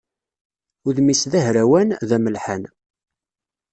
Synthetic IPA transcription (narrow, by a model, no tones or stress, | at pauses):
ʊðmisðæɦɾæwænðæməlħan